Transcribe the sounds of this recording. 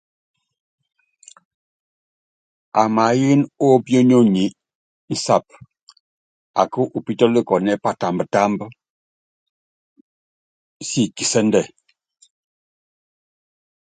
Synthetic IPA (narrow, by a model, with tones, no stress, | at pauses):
a˨ma˨˦ji˦nɔ˦bjo˦ni˦o˦˨ɲi˨˦ | n̩˦sa˦˨p̚ | a̰˨kə˦ʔu˨pi˦tɔ˦li˦kɔ˨nɛ˦pa˦ta˨mbə˨ta˦mbə˦ | si˦˨ki˨sɛ˦ndɛ˨